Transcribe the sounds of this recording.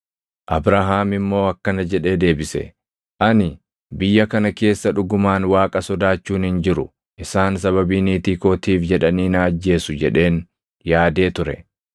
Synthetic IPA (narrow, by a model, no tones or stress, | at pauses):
ʔɐbɾaɦaːmɪmːo̞ːɐkːɐnɐd͡ʒɛᶑe̞ːd̪e̞ːbɪsɛ̰ | ʔɐnɪ | bɪjːɐkɐnɐke̞ːsːɐᶑʊɡʊmaːnwaːkʼɐsɔd̪aːt͡ʃːuːnhɪnd͡ʒɪɾʊ | ʔɪsaːnsɐβɐbiːniːt̪iːkoːt̪iːfd͡ʒɛᶑɐniːnaːd͡ʒːe̞ːsʊd͡ʒɛᶑe̞ːn | jaːd̪e̞ːt̪ʊɾɛ